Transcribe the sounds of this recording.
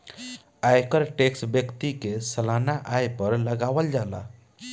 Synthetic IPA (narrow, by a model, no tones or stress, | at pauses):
aːjkəɾʈeːksbjəkt̪ikesɐlaːnaʔaːjpəɾlɐɡaːʋəld͡ʒaːla̰ː